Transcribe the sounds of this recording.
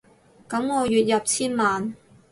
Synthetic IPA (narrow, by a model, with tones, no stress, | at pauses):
kɐ˨˥mŋɔː˨˧jyː˨t̚jɐ˨p̚t͡sʰiː˥nmaː˨n